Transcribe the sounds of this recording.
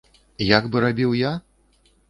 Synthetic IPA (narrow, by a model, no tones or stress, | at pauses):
jaɡbɨɾabʲiwja